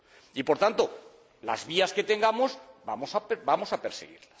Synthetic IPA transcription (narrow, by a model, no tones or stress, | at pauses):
ipo̞ɾt̪ant̪o̞ | la̰zβiaske̞t̪e̞ŋɡamo̞zbamosapbamo̞sapeɾsḛɣ̞ḭɾlas